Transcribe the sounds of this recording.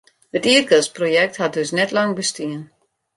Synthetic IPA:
hətiːərɡəsprojɛk̚that̚døsnɛtlɑŋbəstiən

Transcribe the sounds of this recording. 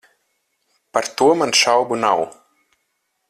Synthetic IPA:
paɾt̪uɔmanʃawbuna̰w

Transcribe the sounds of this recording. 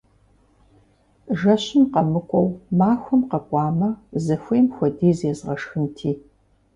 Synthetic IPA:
ʒɐɕɪmqɐmɨkʷʼɔwmaːxʷʊmqɐkʷʼɑːmɐzɐxʷeːmxʷɔdiːzjɛzʁɐʂxɨntʰiː

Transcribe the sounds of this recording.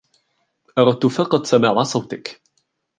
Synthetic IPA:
ʔɑɾˤɑt̪ːʊfɑqɑt̪ˤsamaːʕasˤɑwt̪ɪk

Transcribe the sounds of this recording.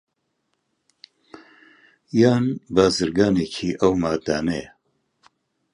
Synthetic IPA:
jaːnbaːzɨɾɡaːnekʰiːʔɐwmaːd̪aːne

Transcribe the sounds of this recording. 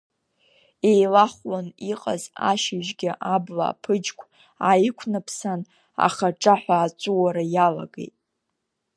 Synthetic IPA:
ejlaχʷlaniqʼa̰za̰ʃɪʒɡʲɪʔabla̰ːpʰɨd͡ʒkʷʰ | ajɪkʷʰnɨpʰsan | a̰χaʈ͡ʂʼaħʷaːt͡ʃʷʼuwaɾajala̰ɡḛjtʼ

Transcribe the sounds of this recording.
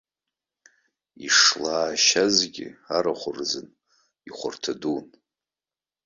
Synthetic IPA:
iʂlaːʃazɡʲɪ̰aɾaχʷʊrzɨn | iχʷʊ̰rtʰadun

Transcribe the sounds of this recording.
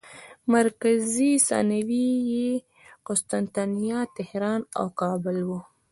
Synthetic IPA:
maɾkazisɑ̰nawije | qʊst̪ant̪anijɑt̪ɪhɾɑːna̰wkɑbɪlwu

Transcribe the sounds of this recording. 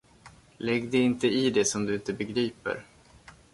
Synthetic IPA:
lɛɡd̪ɛɪnt̪əɪd̪ɛsɔmd̪ɵɪnt̪əbɛɡɾiːpə̰ɾ

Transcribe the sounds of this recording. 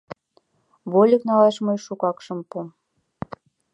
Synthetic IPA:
βolʲəknɑlɑʃməjʃukɑkʃɤmpum

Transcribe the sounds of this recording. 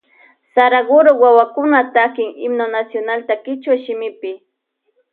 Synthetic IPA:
saɾaɢʊɾʊwawakʊnat̪akɪŋɪmnonasjonalt̪akɪt͡ʃwaʃɪmɪpɪ

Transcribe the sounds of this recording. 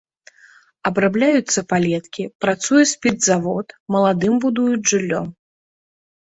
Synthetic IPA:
ɐbɾablʲajut̪sːɐpalʲɛt̪kʲipɾat̪sujɛsʲpʲid̪zavɔt̪mɐlˠad̪ɨmbud̪ujud͡zʲʐɨlʲːɔ̰m

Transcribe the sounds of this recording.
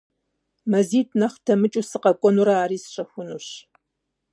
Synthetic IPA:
mɐziːtʰnɐχtʰɐmɨt͡ʃʼuːsɨqɐkʷʼɔnuɾɐaːɾiːsɕʼɐxʷʊnuɕ

